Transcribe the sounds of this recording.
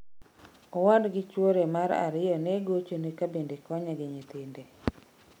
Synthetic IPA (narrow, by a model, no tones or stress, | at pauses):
ɔwandɡɪt͡ʃwoɾemaɾa̰ɾɪjɔneɡot͡ʃonekabendekɔɲaɡɪɲet̪ɪnde